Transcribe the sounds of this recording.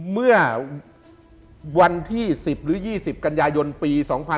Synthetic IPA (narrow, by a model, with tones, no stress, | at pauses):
mɯ˥˩ɐ | wa˧nt̪ʰiː˥˩si˨˩p̚ɾɯː˩˦˥jiː˥˩si˨˩p̚ka˧njaː˧jo˧npiː˧sɔː˩˦ŋpʰa˧